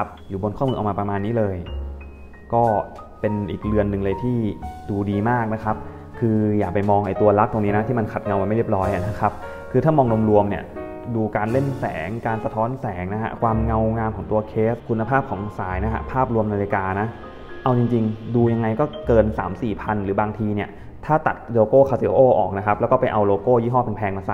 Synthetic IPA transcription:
p̚juː˨˩bo˧nkʰɔː˥˩mɯː˧ʔwmaː˧pɾa˧maː˧nːiː˦˥lɤː˧j | kɔː˥˩ | pe˧nʔiː˨˩k̚lɯ˧ənːɯ˨˩ŋlɤː˧jt̪ʰiː˥˩duː˧diː˧maː˥˩k̚na˦˥kʰa˦˥p̚ | kʰɯː˧jaː˨˩k̚pa˧jmɔː˧ŋʔa˧jt̪u˧ɐla˦˥k̚t̪o˧ŋniː˦˥na˦˥iː˥˩ma˧nkʰa˨˩t̪̚ŋa˧wa˧nma˥˩jɾi˥˩p̚ɾɔː˦˥jʔa̰˨˩na˦˥kʰa˦˥p̚ | kʰɯː˧aː˥˩mɔː˧ŋlu˧mɾu˧əmni˥˩ɐ | duː˧kaː˧nle˥˩nsɛ̰ː˩˦ŋkaː˧nsa˧t̪ʰɔː˦˥nsɛː˩˦ŋna˦˥hʰa̰˦˥kʰwaː˧mŋa˧wŋaː˧mkʰɔː˩˦ŋt̪u˧ɐkʰeː˦˥skʰu˧nːa˧pʰaː˥˩p̚kʰɔː˩˦ŋsa̰ː˩˦jna˦˥kʰa̰˦˥pʰaː˥˩p̚ɾu˧mnaː˧li˧kaː˧na˦˥ | ʔa˧wt͡ɕi˧ŋt͡ɕi˧ŋduː˧ja˧ŋːa˧jkɔː˥˩kɤː˧nsa̰ː˩˦msiː˨˩pʰa˧nɾɯː˩˦baː˧ŋt̪ʰiː˧ni˥˩ə | t̪ʰaː˥˩t̪a̰˨˩t̪̚loː˧koː˥˩kʰaː˧se˧˦ʔoː˥˩ʔɔ̰ː˨˩k̚na˦˥kʰa˦˥plːwkɔː˥˩pa˧jʔa˧wloː˧koː˥˩ji˥˩ɦɔː˥˩pe˧npʰɛː˧ŋma˧sa˨˩

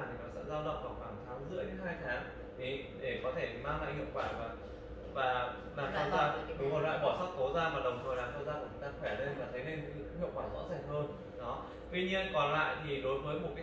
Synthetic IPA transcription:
mt̪ʰi˨˩nɔ˨˦sɛ̰˧˥zaː˧wɗə̰˧˨wŋ͡mvaː˨˩xwaː˧˩ŋt̪ʰaː˨˦ŋzɨ̰˧˥əjɗe˨˦nɦaː˧jt̪ʰaː˨˦ŋ | ɗʰi˨˩ɗe˧˩kɔ˨˦t̪ʰe˧˩tmaː˧la̰ː˧˨jhḭ˧˨əwkwaː˧˩vaː˨˩ | vaː˨˩ | laː˨˩a˧zaː˧˩˨mo˨˩la̰ː˧˨jɓɔ˧˩sa˦˥t̚kə˨˦zaː˧maː˨˩ɗə˨˩wŋ͡mt̪ʰəː˨˩jlaː˨˩ŋk̪ə˧wzaː˧kɲ˨˩jt̪aː˧xwɛ˧˩ɗe˧nvaː˨˩t̪ʰə˨˦jne˧n˨˦˥hḭ˧˨əwkwaː˧˩zɔ̰˧˥zaː˨˩ŋɦəː˧n | ɗɔ˨˦ | t̪wi˧ɲi˧ənkɔ˨˩nla̰ː˧˨jt̪ʰi˨˩ɗo˨˦jvəː˨˦jmo˨˩t̚kaː˨˦

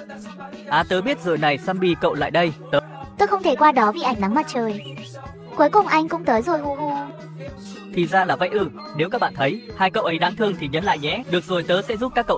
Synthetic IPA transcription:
ʔaː˨˦t̪əː˨˦ɓi˦˥ət̚zɨ̰ː˧˨jna˨˩jsa˧mɓi˧kə̰˧˨wla̰ː˧˨jɗə˧jt̪əː˨˦t̪o˧jxə˧wŋ͡mt̪ʰe˧˩kwaː˧ɗɔ˨˦vḭ˧˩ʔa˨˩jŋ̟na˨˦ŋma˨˩t̚t͡ɕəː˨˩j | ku˨˦jkʊ˨˩ŋ͡mʔa˧jŋ̟kʊ̰˧˥ŋ͡mt̪əː˨˦jzo˨˩jhu˧hu˧ | t̪ʰi˨˩zaː˧laː˨˩va̰˧˥jʔɨ˧˩ | ne˨˦wkaː˦˥k̚ɓa̰ː˧˨t̪ʰə˨˦jhaː˧jkə˧˨wʔə˨˦jɗaː˨˦ŋt̪ʰɨ˧əŋt̪ʰi˨˩ɲə˨˦nla̰ː˧˨jɲɛ̰˧˥ɗɨ˨˩ək̚zo˨˩jt̪əː˨˦sɛ̰˧˥zu˦˥p̚kaː˦˥kːə̰˧˨

